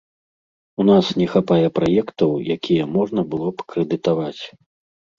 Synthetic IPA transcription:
unasnʲɛxapajɛpɾajɛkt̪ɐwjakʲʰijɛmɔʐnɐbɨlˠɔpkɾɛd̪ɨt̪avat͡sʲ

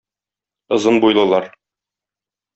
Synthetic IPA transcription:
ɤ̆zɤnbujlˠɤ̆lˠɑɾ

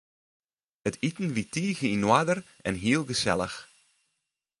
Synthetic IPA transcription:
ətʰitn̩ʋitiːɣəinwadərʔɛnɦiəlˠɣəsɛ̰lə̰x

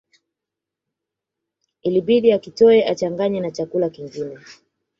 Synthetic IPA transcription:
iliɓiɗiakitɔɛʔat͡ʃaŋɡaɲɛnat͡ʃakulakiŋɡinɛ

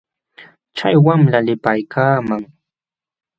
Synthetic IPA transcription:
t͡ʃajwamlalɪpajkʰaːmaŋ

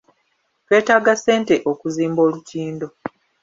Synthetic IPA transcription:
twe̞ːtaːɡase̞ːnte̞ʔokuziːmbo̞ːlutiːndo̞

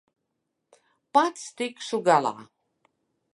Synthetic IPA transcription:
pat̪st̪ikʃuɡalˠa̰ː

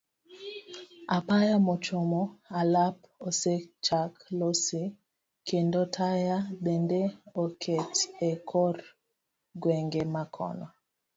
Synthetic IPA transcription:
apajamɔt͡ʃomɔalap | oset͡ʃaklosi | kʰendotʰajaɓɛndɛokʰetɛkʰɔɾ | ɡwɛŋɡemakʰɔ̰nɔ

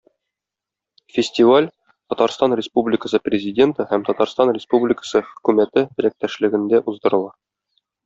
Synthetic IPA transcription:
fʲɪsʲtʲivalʲ | t̪ɒt̪ɑɾst̪ɑnrʲɪspublʲɪkəsɤprʲɪzʲɪdʲe̞nt̪ɤhæmt̪ɒt̪ɑɾst̪ɑnrʲɪspublʲɪkə̥sɤχɵ̥̆kʉmæt̪ɘt̪ɘ̆ɾæk̚t̪æʃlɘ̆ɡɘ̆nd̪æʔuzd̪ɤ̆ɾɤ̆lˠɑ

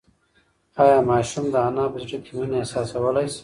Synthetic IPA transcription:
ɑːjɑmɑːʃumd̪əanɑbəzɖəkemineesɑsawəlajs

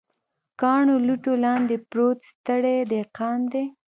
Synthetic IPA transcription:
kɑɳoluʈolɑnd̪epɾot̪st̪əɽed̪eqɑnd̪e

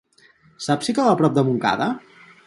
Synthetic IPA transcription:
sapsikəβapɾɔp̚d̪əmuŋka̰ðə

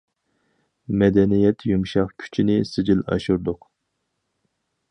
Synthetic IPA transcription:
mɛd̪ɛnijɛt̪ʰjumʃɑχkʲʰy̥t͡ʃʰinɪsɪd͡ʒilɑ̰ʃuɾd̪ʊq

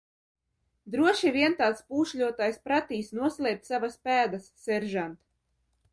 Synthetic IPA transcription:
d̪ɾuɔʃivʲiɛnt̪aːt̪spuːʃʎʲuɔt̪aːjspɾat̪iːsnuɔslʲˠɛːp̚t̪ʲsavaspæːd̪asːɛɾʒant̪

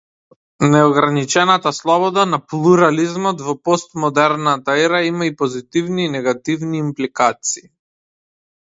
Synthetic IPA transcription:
nɛɔɡɾanit͡ʃɛnat̪aslˠɔβɔd̪anaplˠuɾalizmɔt̪vɔpɔst̪mɔd̪ɛɾnat̪aɛɾaimaipɔzit̪ivniːnɛɡat̪ivniːmplikat̪siː

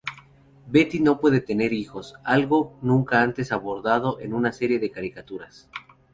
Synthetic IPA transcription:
be̞t̪ino̞pwe̞ðe̞t̪e̞ne̞ɾixo̞salɣo̞nũŋkaant̪e̞saβo̞ɾðað̞o̞ʔe̞nunase̞ɾje̞ðekaɾikat̪uɾas

